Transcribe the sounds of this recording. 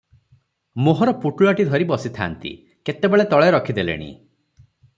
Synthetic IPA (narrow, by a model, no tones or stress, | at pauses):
moɦɔɾɔpuʈuɭaʈid̪ʱɔɾibɔsit̪ʰa̰ːnt̪ḭ | ket̪ebeɭet̪ɔɭeɾɔkʰid̪elḛɽ̃ḭ